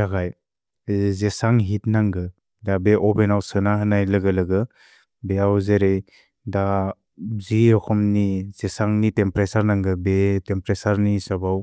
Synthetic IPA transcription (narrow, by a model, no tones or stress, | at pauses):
ɾaɡaj | zesaŋɦit̚naŋɡɯ | dabeʔɔbenawsɯnaɦɯnajlɯɡɯlɯɡɯ | beawzeɾej | da | ziɔkʰɔmnizesaŋnitempɾesaɾnaŋɡɯbetempɾesaɾnisabaw